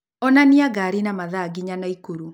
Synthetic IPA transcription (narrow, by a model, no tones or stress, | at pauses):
ɔnaniaɡaɾinamaðaɡiɲanaikuɾu